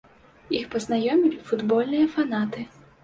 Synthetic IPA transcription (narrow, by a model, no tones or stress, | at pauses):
ixpɐznajɔmʲilʲifud̪bɔlʲnɨjɐfanat̪ɨ